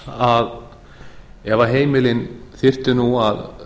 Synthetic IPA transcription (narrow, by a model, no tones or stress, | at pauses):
að | ɛvaɦeːjmɪlɪnθɪr̥t̪ʏnuað